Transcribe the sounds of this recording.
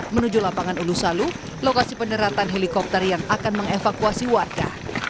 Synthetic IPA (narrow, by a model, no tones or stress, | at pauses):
mənud͡ʒulapaŋanulusalu | lokasipənəɾat̪anɦelikɔp̚t̪ərjaŋakanməŋefakuasiwarɡa̰